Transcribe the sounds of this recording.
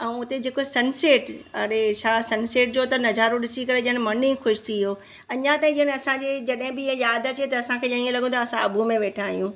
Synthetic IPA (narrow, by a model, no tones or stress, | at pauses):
ɛ̃ʊt̪ed͡ʑeːkosɐnseːʈɐɾet͡ɕʰaːsɐnseːʈ̚d͡ʑoːt̪ɐnɐzaːɾõɗɪsikɐɾeʄɦənɪ̆mɐnĩːxʊʃt̪ʰiɦoː | ɐɲãt̪aːĩənɪɐsãɲd͡ʑed͡ʑɐɗɦɪ̃bɪiɦə̃jaːd̪ɐt͡ɕet̪ɐːsãkʰeːɐɽ̃ĩẽlɐɠʱũt̪ʰɐːsãɐbʱumẽʋeːʈʰaːɦijũː